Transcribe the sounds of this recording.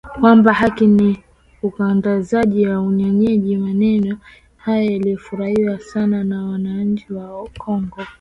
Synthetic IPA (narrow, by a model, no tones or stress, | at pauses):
kwambahakini | ukaŋɡazaʄijauɲɔɲɛʄimanɛnɔ | hajajalijɔfuɾahiwasananawanaɲ̩t͡ʃiwaɔkʰɔŋɡɔ